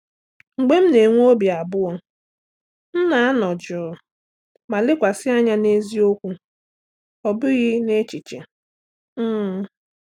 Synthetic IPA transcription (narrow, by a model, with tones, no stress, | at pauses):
ŋ͡m̩˨ɡ͡be˦m̩˦ne˨ŋʷ˦o˦bi˨a˨bʊ˦ɔ˦ | n̩˦na˨a˦nɔ˨d͡ʒɔ˨ɔ˨ | ma˨lɪ˦kʷa˨sɪ˦a˦ɲa˦ne˦zi˦o˦kʷu˦ | ɔ˨bʊ˦ɣɪ˦ne˦t͡ʃi˨t͡ʃe˨ | m̩˦˨